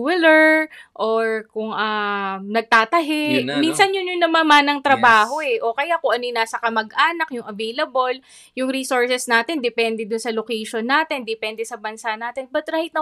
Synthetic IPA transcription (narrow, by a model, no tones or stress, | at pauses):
wɪlɛɹʔoɹkʊŋʔanɐɡ̚t̪aːt̪ɐɦɛminsɐnjʊnjʊnːɐmamanːɐŋt̪ɾɐbaːɦo̞ʔɛʔo̞kɐjakʊŋʔɐnojnaːsɐkɐmɐɡʔaːnɐk̚jʊŋɐvejlɐbol | jʊŋɾiːsoɹsɛsnaːt̪ɛnd̪ɛpɛnd̪ɛd̪ʊnsɐlokɛjʃonːaːt̪ɛnd̪ɛpɛnd̪ɛsɐbɐnsaʔnaːt̪ɛnbɐt̪̚ɾaːhɪt̪nɐ